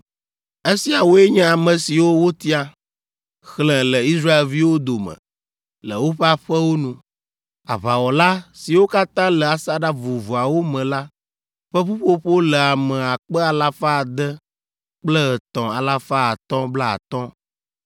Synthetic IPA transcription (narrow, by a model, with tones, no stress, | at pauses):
e˦si˨a˨wo˦e˦ɲɛ̃˦a˨mə̃˨si˨wo˦wo˦t̪i˦a˨ | xlɛ̃˨lə˨i˦sɾa˦e˨lvi˦wo˦d̪o˨mə̰̃˨ | lə̰˨wo˦ɸe˦a˦ɸɛ˦wo˦nũ˦ | a̰˨βa˨wɔ˨la˦si˨wo˦ka˦t̪ã˦lɛ˨a˨sa˦ɖa˦vu˨vu˨a˨wo˦mɛ̃˨la˦ | ɸɛ˦ɸu˦ɸo˦ɸo˦lə˨a˨mɛ̃˨a˨k͡pɛ˦a˨la˦fa˦˨d̪ɛ˦ | k͡plə˦ə˨t̪ɔ̃˨a˨la˦fa˦a˨t̪ɔ̃˦bla˦a̰˨t̪ɔ̃˦